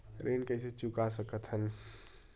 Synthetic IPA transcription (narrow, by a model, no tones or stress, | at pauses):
ɾʔeːnkəɦset͡ʃʊkasəkət̪ɦən